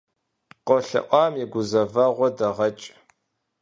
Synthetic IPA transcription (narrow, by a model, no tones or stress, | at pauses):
qɔɬɐ̰ʔʷɑːmjiɡʷʊzɐvɐʁʷɔdɐʁɐt͡ʃʼ